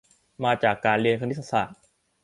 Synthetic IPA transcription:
maː˧t͡ɕaː˨˩kːaː˧nɾi˧ənkʰa˧ni˦˥sa˧˥˩sa̰ː˨˩t̪̚

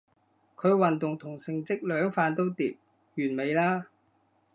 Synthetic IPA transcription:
kʰɵ˨˧ɥwɐ˨nt̪ʊ˨˩ŋt̪ʰʊ˨˩ŋsɪ˨˧ŋt͡sɪ˥k̚lœː˨˥ŋfaː˧nt̪o˥wt̪iː˧˨p̚ | jyː˨˩nme˨˧jlaː˥

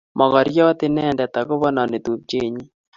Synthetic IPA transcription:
mʔɔ˨ɣɔ˨ɾjɔ˦t̪ɪ˦nɛ˦˨ndɛ˨t̪a˨kʊ˦βɔ˦nɔ˨ne˨t̪u˨p̚t͡ʃe˦ɲi˦

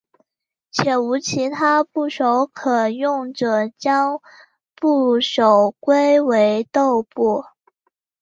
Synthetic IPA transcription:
t͡ɕʰjɛ˨˩u˧˥t͡ɕʰi˧˥t̪ʰa˥pu˥˩ʂo˧˥ʊkʰɤ˨˩jʊ˥˩ŋʈ͡ʂɤ˨˩t͡ɕjɑ˥ŋ | pu˥˩ʂo˨˩ʊkwe˥ɪwe˧˥ɪt̪o˥˧ʊpu˥˩

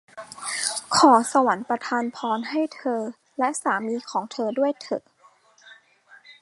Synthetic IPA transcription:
kʰɔː˩˦sa˧wa˩˦npɾa˧t̪ʰaː˧npʰɔː˧nɦa˥˩jt̪ʰɤː˧ | lɛ˦˥ʔsaː˩˦miː˧˥kʰɔː˩˦ŋt̪ʰɤː˧du˥˩əjt̪ʰɤ̰˨˩

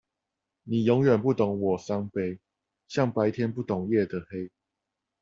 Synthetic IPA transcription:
ni˨˩jʊ˧˦˥ŋɥɛ˨˩npu˥˩t̪o˨˥ŋwɔ˨˩sa˥˦ŋpe˥ɪ | ɕjɑ˥˨ŋpa˧˦ɪt̪ʰjɛ˥˦npu˥˩t̪ʊ˨˩ŋjɛ˥˨d̪ə˨˩he˦ɪ

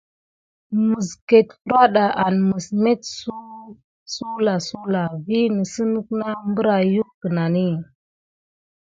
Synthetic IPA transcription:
mə˨ske˨tfu˦ɾa˦ɗa˨ʔa˨nmə˨sme˦tsu˦ | su˦la˨su˦la˨vi˦ni˨sə˦nu˦k̚na˦mbə˦ɾa˨ju˦kkə˨na˨ni˦˨

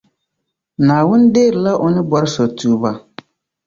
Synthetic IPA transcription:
naː˨wʊ˦n˦deː˦˨ɾɪ˨la˦ʔʊ˨nɪ˦bɔ˦ɾɪ˦sɔ˨tuː˨ba˨

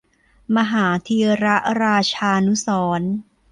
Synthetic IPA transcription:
ma˧ɦaː˩˦t̪ʰi˧ɾa˦˥ʔɾaː˧t͡ɕʰaː˧nu˦˥sɔː˩˦n

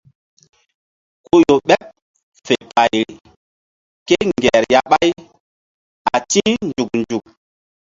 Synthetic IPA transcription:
ku˦jo˨ɓɛ˦p̚ | fe˨pa˨jɾi˨ | ke˦ŋɡɛ˨ɾja˦ɓa˦j | a˨ti˦nd͡ʒu˨k̚nd͡ʒu˨k̚

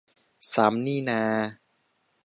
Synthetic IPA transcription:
saː˩˦mniː˥˩naː˧

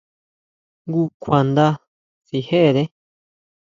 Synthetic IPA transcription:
ŋɡu˦˧kʰʷa˨nd̪a˧ | si˧he˦˨ðe˦

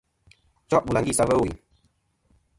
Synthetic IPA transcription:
t͡ʃɔ˦ʔbu˨a˨ŋɡi˦˨sa˦və˦wḭ˨

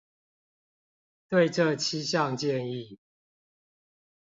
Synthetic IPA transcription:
t̪we˥˨ɪʈ͡ʂɤ˥˨t͡ɕʰi˦ɕjɑ˥˨ŋt͡ɕjɛ˥˨ni˥˨

